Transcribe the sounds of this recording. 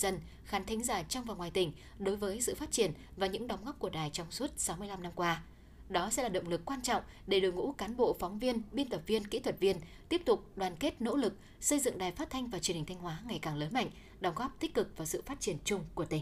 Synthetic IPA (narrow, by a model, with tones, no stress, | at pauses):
zə˧n | xaː˨˦nt̪ʰa˨˦ŋ̟zaː˧˩jt͡ɕɔ˧wŋ͡mvaː˨˩wŋwaː˨˩jt̪ï˩ŋ̟ | ɗo˨˦jvəː˨˦jsɨ̰˧˨faː˦˥t̚t͡ɕi˧˩ən | vaː˨˩ɲɨ̰˧˥ŋɗŋ͡mɣɔ˦˥p̚ku˧˩əɗaː˨˩jt͡ɕɔ˧wŋ͡msu˦˥ət̚sa˨˦wmɨ˧əjla˧mna˧mkwaː˧ | ɗɔ˨˦sɛ̰˧˥laː˨˩ɗə̰˧˨ŋ͡mlɨ˨˩kːwaː˧nt͡ɕɔ̰˧˨wŋ͡m | ɗe˧˩ɗɨ˨˩ŋṵ˧˥kaː˨˦nɓo̰˧˨fɔ˨˦wŋ͡mvi˧ənɓi˧nt̪ə˨˩p̚vi˧ənkḭ˧˥t̪ʰwə˨˩t̚vi˧ənt̪i˦˥əp̚t̪ʊ˨˩k͡p̚ɗwaː˨˩nke˦˥t̚no̰˧˥lɨ˨˩k̚ | sə˧jzɨ̰˧˨ŋɗaː˨˩jfaː˦˥t̚t̪ʰa˧jŋ̟vaː˨˩t͡ɕi˨˩ənhi˨˩ŋ̟t̪ʰjŋ̟ɦwaː˨˦ŋa˨˩jkaː˨˩ŋləː˨˦nma̰˧˨ŋ̟ | ɗɔ˨˦wŋ͡mɣɔ˦˥p̚t̪ï˦˥k̟̚kɨ˨˩k̚vaː˨˩sɨ̰˧˨faː˦˥t̚t͡ɕi˧˩ənt͡ɕʊ˧ŋ͡mku˧˩ət̪i˨˧˩ŋ